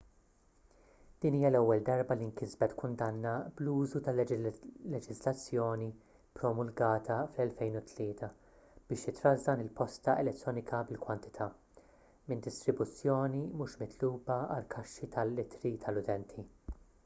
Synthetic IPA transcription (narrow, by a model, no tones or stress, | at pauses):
d̪̥iːniːjɐlɛwːɛld̪ɐɾbɐliŋkɪzbɛt̪kʊnd̪ɐnːɐbluːzut̪ɐllɛd͡ʒɪzlɐt͡sːjɔːni | pɾɔmʊlɡɐːt̪ʰɐflɛlfɛjnʊt̪ʰlɪːt̪ɐ | b̥ɪːʃjɪt̪ɾɐzd̪ɐnɪlpɔst̪ɐɛlɛt̪ːɾɔːnɪkʰɐbɪlkwɐnt̪ɪ̥t̪ʰɐ | mɪnd̪ɪst̪ɾɪbʊt͡sːjɔːnimuʃmɪt̪ʰluːbɐɐ̰lkʰɐʃːit̪ʰɐlːɪt̪ɾit̪ʰɐlʊt̪ɛnt̪ʰi